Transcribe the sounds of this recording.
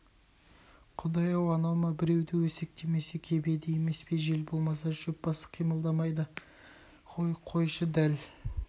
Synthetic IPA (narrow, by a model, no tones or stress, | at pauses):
qʰʊd̪ɑjɑwɑnɑwmɑbɪɾe̞wd̪ɪwɵse̞k̚t̪ʰe̞me̞se̞kʲʰe̞be̞d̪ɪje̞me̞spe̞ʒe̞lbo̞lˠmɑsɑʒɵp̚bɑsə̥qʰijməlˠd̪ɑmɑjd̪ə | qʰojqʰo̞jʃəd̪æl